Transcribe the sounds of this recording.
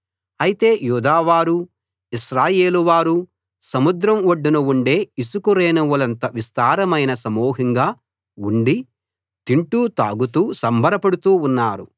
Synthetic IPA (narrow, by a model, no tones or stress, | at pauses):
ɐjit̪e̞ːjuːd̪aːʋaːɾu | iʃɾaːje̞ːluʋaːɾu | sɐmud̪ɾɐmoɖːunuuɳɖe̞ːisukuɾeːnuwulɐnt̪ɐʋist̪aːɾɐmɐjnɐsɐmɔːɦiŋɡaː | uɳɖi | t̪iɳʈuːt̪a̰ːɡut̪uːsɐmbʱɐɾɐpɐɽut̪uːunːaːɾu